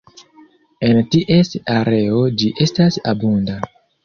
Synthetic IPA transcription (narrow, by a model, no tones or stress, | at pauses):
e̞ntiʔe̞staɾe̞o̞d͡ʒiʔe̞stasa̰bunda